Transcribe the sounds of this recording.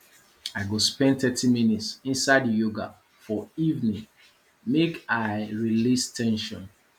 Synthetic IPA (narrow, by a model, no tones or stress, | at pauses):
aɪɡospɛ̃nθɛtʰimĩnitsĩnsaɪdjoɡa | fɔivnĩŋ | mekaɪɹilistʰɛ̃nʃɔ̰̃n